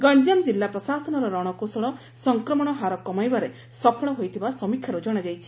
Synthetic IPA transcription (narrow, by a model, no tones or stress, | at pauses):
ɡɔɲd͡ʒamd͡ʒilːapɾɔsasɔnɔɾɔɾɔɽ̃ɔkosɔɭɔ | sɔŋkɾɔmɔɽ̃ɔɦaɾɔkɔmajbaɾe | sɔpʰɔɽ̃ɔɦojt̪ʰibasɔmikʰjaɾud͡ʒɔɽ̃ad͡ʒajt͡ʃʰi̥